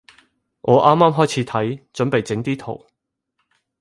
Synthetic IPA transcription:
ʔɔː˨˧ʔaː˥mːaː˥mɦɔː˥jt͡sʰiː˨˧t̪ʰɐ˨˥jt͡sɵ˨˥npe˨jt͡sɪ˨˥ŋt̪iː˥t̪ʰo˨˩w

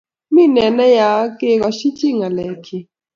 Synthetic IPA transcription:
mi˦nɛ˨nɛ˦ja˨˦ke˦kɔ˨ʃi˦t͡ʃi˦ŋa˨lɛ˨kʰi˨

